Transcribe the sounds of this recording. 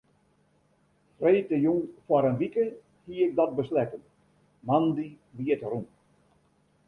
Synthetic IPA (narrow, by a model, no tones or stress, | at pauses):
freːtəjuŋfwaɾənʋikə | hiəɪk̚dɔt̚bəslɛtən | mandi | ʋiətruŋ